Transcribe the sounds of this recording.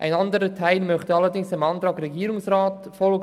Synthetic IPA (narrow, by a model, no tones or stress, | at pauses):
ʔa̰ɪnɑndəɾətʰaɪlmœχtəɑlədɪŋsɪmɑːnt̪ɾɑːɡɾɛɡiːɾʊŋsraːtfɔlɡ